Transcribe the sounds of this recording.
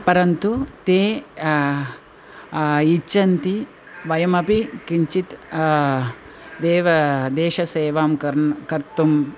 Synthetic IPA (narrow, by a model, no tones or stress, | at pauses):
pɐɾɐnt̪ut̪eː | it͡ʃːɐnt̪i | ʋɐjɐmɐpikiɲt͡ʃit̪ | d̪eːʋɐd̪eːʃɐseːʋaːmkɾkɐɾt̪um